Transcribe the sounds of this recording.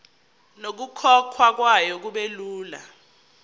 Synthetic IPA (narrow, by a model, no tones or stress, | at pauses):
nok̬ukʰɔkʰwak̬wajɔk̬uɓeluːla̰